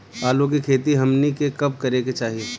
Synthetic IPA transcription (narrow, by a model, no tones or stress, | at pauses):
aːlõkikʰeːt̪iɦɐmnikekɐb̚kɐɾeːket͡ʃaːɦie